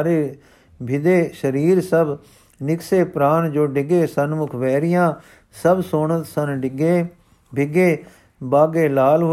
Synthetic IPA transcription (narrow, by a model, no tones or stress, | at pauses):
ɾeː | bʱɪd̪eːʃəɾiːɾsəb | nɪkseːpɾaːnd͡ʒoːɖɪɡeːsənmʊkʰʋɛːɾɪjãː | səbsoːɳət̪sənɖɡe | bʱɪɡeː | baːɡeːlaːlɦ